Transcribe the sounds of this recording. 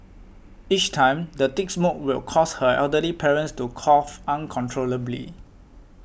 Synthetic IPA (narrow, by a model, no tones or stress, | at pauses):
it͡ʃtʰãɪ̃mdətiksmok̚wḭlkʰɔshəɛ̰ldəlipʰɛɹə̃nstukʰɔfãnkʰɔ̃ntʰɹoləblḭ